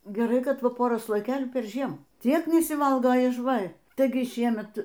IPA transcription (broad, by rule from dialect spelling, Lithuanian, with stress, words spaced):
ɡʲɛˈrɐɪ kɐt ˈʋɐ ˈpoːrɐ slˠoːjɪˈkʲeːlʲuː pʲɛrʲˈʒʲiɛm ˈtʲiɛk nʲɛsʲɪˈʋɐlˠɡɐ ɪʃ ˈʋɐ ˈtɐɪɡʲɪ ˈʃʲiɛmʲɛt